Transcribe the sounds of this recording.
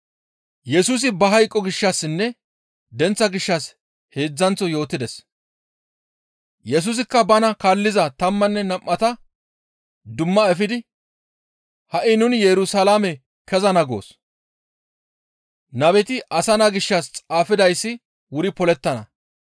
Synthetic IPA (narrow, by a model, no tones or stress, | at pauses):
jɛsuːs̬ɪbɐɦɐjkʼːɔɡɪʃːɐsːɪnːɛ | d̪ɛnt͡sːɐɡɪʃːɐs | he̞ːd͡zːɐnt͡sːɔjo̞ːt̪ːɪd̪ɛs | jɛs̬uːs̬ɪkːɐbɐnɐkalːɪzɐt̪ɐmːɐnːɛnɐmːɐt̪ɐ | d̪ʊmːɐɛfɪd̪ɪ | hɐʔɪnʊnjɛɾʊsɐlaːmɛ | kɛzɐnɐɡo̞̰ːs | nɐbɛt̪ɪʔɐsɐnɐɡɪʃːɐst͡sʼaːfɪd̪ɐjsːɪ | wʊɾɪpɔlɛt̪ːɐnɐ̰